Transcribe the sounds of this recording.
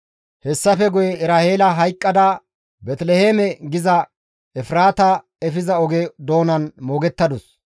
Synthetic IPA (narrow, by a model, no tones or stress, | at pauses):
hɛsːɐfɛɡʊjɛɪɾaːheːlɐɦɐjkʼːɐd̪ɐ | bɛt̪lɛheːmɛɡɪzɐ | ɛfɾaːt̪ɐ | ɛfɪzɐɔɡed̪oːnɐnmo̞ːɡɛt̪ːɐd̪ʊs